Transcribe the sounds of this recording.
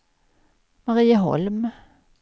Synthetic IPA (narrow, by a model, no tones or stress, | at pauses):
mɑʁiːəɦɔ̰lm